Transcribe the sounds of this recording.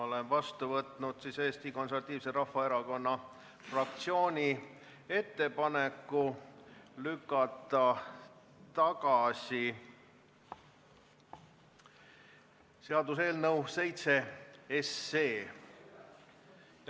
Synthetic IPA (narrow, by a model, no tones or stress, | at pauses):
olenvɑst̪uvɤt̪ˑnud̪̥siːseːst̪iko̞nseɾvɑt̪ːˑiːvseɾɑhfːɑe̞ɾɑko̞nːɑ | frɑk̚t̪sio̞ːnʲi | e̞t̪ːe̞pɑnekːˑu | lykːˑɑt̪ːˑɑ | t̪ɑɡɑsi | se̞ɑd̪us̬e̞ːlnəwse̞jt̪se̞esːeː